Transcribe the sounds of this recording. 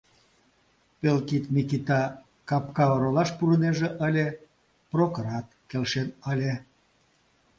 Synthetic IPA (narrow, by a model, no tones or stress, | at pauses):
pelkit̪mʲikit̪ɑ | kɑpkɑoɾolɑʃpuɾəneʒĕʔəlʲe | prokoɾɑt̪̚kelʃenəlʲe